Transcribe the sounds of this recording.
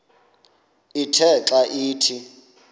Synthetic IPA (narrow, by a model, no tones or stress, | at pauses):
itʰɛǁaʔiːtʰi